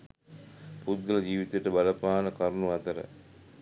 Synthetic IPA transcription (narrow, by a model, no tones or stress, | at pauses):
pud̪̚ɡɐlɐd͡ʒiːʋit̪ujeʈəbɐlɐpaːnəkɐɾnuɐt̪ɐɾə̰